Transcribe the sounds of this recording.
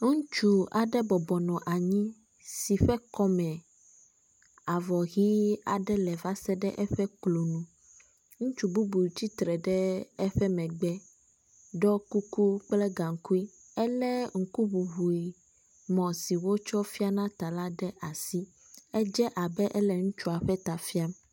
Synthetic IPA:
ŋũ˦t͡ʃu˨a˨ɖɛ˦bɔ˨bɔ˨nɔ̃˨ʔa˨ɲĩ˦ | si˨ɸɛ˦kɔ˦mɛ̃˨ | a˨vɔ˨ɣi˦a̰˨ɖɛ˦lɛ˨va˦sɛ˦ɖɛ˦ʔɛ˦ɸɛ˦klo˨nũ˨ | ŋũ˦t͡ʃu˨bu˦bu˨t͡ɕi˦t̪ɾɛ˨ɖɛ˦ɛ˦ɸɛ˦mɛ̃˨ɡ͡bɛ˦ | ɖɔ˦ku˦ku˦k͡plɛ˦ɡa˨ŋ̩˨˦ku˦i˦ | ɛ˦lɛ˦ŋ̩˨ku˦bu˨βu˨i˨ | mɔ̃˨si˨wo˦t͡ʃɔ˦fi˦a˦nã˦t̪a˨la˦ɖɛ˦ʔa˨si˦ | ɛ˦d͡ʒɛ˦ʔa˨bɛ˦ʔɛ˦lɛ˨ŋũ˦t͡ʃu˦a˨ɸɛ˦t̪a˨fi˦a˦m

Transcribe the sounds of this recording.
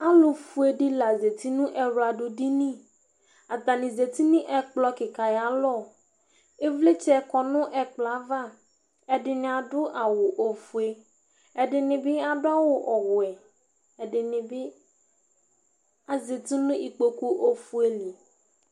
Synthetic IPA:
a˦lʊ˨fu˦e˨ɖi˦la˨ze˨t̪i˦nũ˦ʔɛ˨ɾu˨a˨ɖʊ˨ɖi˦nĩ˦ | a˨t̪a˨nĩ˨ze˨t̪i˦nĩ˦ʔɛ˦k͡plɔ˦kɪ˨ka˨ja˨lɔ˦˨ | e˦vle˦t͡ʃkɔ˨nʊ̃˦ʔɛ˨k͡plɔ˨a˨˦va˦ | ɛ˨ɖɪ˨nɪ̃˨a˨ɖʊ˦ʔa˨wo˨ʔo˨fu˨e˦ | ɛ˨ɖɪ˨nɪ̃˨bɪ˦a˨ɖʊ˦a˦wʊ˨ʔɔ˨ɣʊ˨ɛ˨ | ɛ˨ɖɪ˨nɪ̃˨bɪ˦ | a˨ze˨t̪i˦nũ˦i˨k͡po˦ku˦ʔo˦fu˦e˦li˨

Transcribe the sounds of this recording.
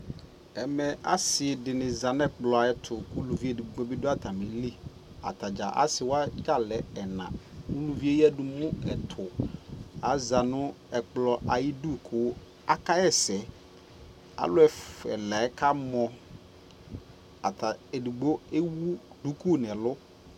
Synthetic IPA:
ɛ˨mɛ̃˨ʔa̰˦sɪ˨dɪ˨nɪ̃˨za˨n˦ɛ˦k͡plɔ˨a˨ɛ˦t̪ʰʊ˨ku˦lu˨vi˦e˨du˨ɡ͡bo˦bɪ˦dʊ˦a˦tʰa˨mɪ̃˨li˦ | a̰˨t̪a˨d͡ʒa˨ʔa̰˦sɪ˨wa˦ka˦˨lɛ˨ɛ˨nã̰˨ũ˦lu˨vi˦e˦ji˦ɛ˦du˨mʊ̃˦ɛ˨tʰʊ˨ | a˨˦za˨nʊ̃˦ | ɛ˨k͡plɔ˨ʔa˨ji˦du˦˨kʰʊ˦ | a˦ka˦ɛ˦sɛ˨ | a̰˨˦lʊ˦ɛ˦fɛ̰˨la˨˦kʰa˦mɔ̃˨ | a̰˨tʰa˨e˨du˨ɡ͡bo˦e˦wu˦ | du˦ku˦nɛ̃˨lʊ˦

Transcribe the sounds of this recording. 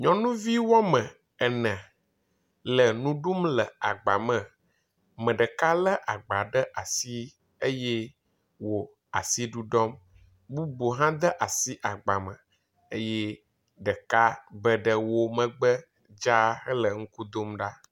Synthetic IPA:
ɲɔ̃˨nũ˦vi˦wɔ˦mə̃˨ | ɛ˨nɛ̃˨ | lə˨nũ˦ɖu˦mlə˨a˨ɡ͡ba˨mə̃˨ | mə̃˨ɖə˨ka˦lə˦ʔa˨ɡ͡ba˨ɖə˦ʔa˨si˦ | e˦je˦ | wo˨ | a̰˨si˦ɖu˦ɖɔ˦m | bu˦bo˨ɦã˦d̪ə˦ʔa˨si˦ʔa˨ɡ͡ba˨mə̃˨ | e˦jɛ˦ | ɖə˨ka˦bə˦ɖə˨wo˦mə̃˨ɡ͡bə˦ | d͡ʒa˦xə˦lə˨ŋ̩˦ku˦d̪o˦mɖa˦

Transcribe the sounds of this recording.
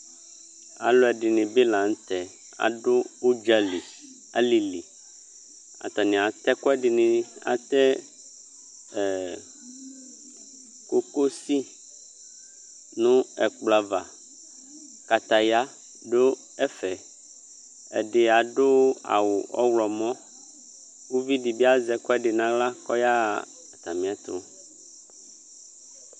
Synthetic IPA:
a̰˨lo˦ɛ˨ɖɪ˨nɪ̃˨be˦lã˨ŋ̩˦t̪ɛ˨ | a̰˨ɖʊ˦o˦d͡ʒa˨li˨ | a̰˨li˨lḭ˨ | a̰˨t̪a˨nɪ̃˨a˨t̪ɛ˦kɔ˦ɛ˦ɖɪ˨nɪ̃˨a̰˨t̪ɛ˦˨ | ko˦ko˦si˦ | nũ˦ɛ˨k͡pla˨va˨ | ka˨t̪a˨ja˦ | ɖo˦ | ɛ˦fɛ˨ | ɛ̰˨ɖɪ˨a˨ɖo˦a̰˨wʊ˨ʔɔ̰˦wlɔ˨mɔ̃˦ | wu˦vi˦ɖi˨bi˦a˦zɛ˨kɔ˦ɛ˦ɖɪ˨nã˨la˦kɔ˦ja˦˨ | t̪a˨mĩ˨a˨t̪o̰˦

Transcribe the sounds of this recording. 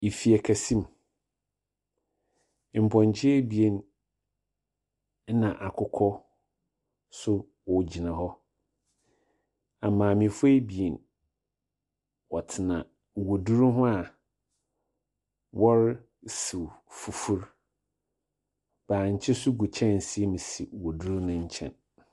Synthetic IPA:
i˨fi˨æ˨kʰæ˨sĩ˦m˨ | m̩˨pʰɔ̃˨ɲ˨t͡ɕʰɪ˦ɛ˦bi˨e˦n˦ | nã˨ʔa˨kʰʊ˦kʰɔ˦ | sʊ˦ | wɔ˨d͡ʑi˨nã˨ɦɔ˦ | a˨mãː˨mĩ˨fe˦bi˨e˨n | wɔ˨tʰɪ˨nã̰˨ | wo˨du˦ɾu˦ɦʊ̃˦a˨ | wɔ˦ɾ | si˨fu˨fu˦ɾ | b̥aː˨ɲ̩˨t͡ɕʰɪ˦sʊ˦ɡu˨t͡ɕʰɛ̃˦nn̩˨si˨˦e˦mĩ˨si˨wo˨du˦ɾnʊ̃˦˨ɲ̩˦t͡ɕʰɛ̰̃˨n

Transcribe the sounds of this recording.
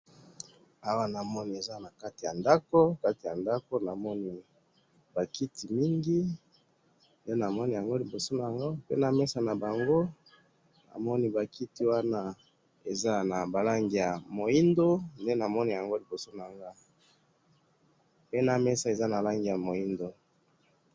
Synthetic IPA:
a˨wa˦na˨mɔ˦ni˨e˨za˦na˨ka˦ti˨ja˨nda˦ko˦ka˦ti˨ja˨nda˦ko˦na˨mɔ˦ni˦ | ba˨ki˦ti˨mi˦ŋɡi˦ | nde˦na˨mɔ˦ni˨ja˨ŋɡo˦li˨bo˨so˦na˨a˨ŋɡo˦pḛ˦na˨mɛ˦sa˨na˨ba˨ŋɡo˦ | na̰˨mɔ˦ni˦ba˨ki˦ti˨wa˦na˦ | e˨za˦na˨ba˨la˦ŋɡi˨ja˨mo˨i˦ndo˦nde˦na˨mɔ˦ni˦˨ja˨ŋɡo˦li˨bo˨so˦na˨ŋɡa˦ | pe˦na˨me˦sa˨e˨za˦na˨la˦ŋɡi˨ja˨mo˨i˦ndo˦

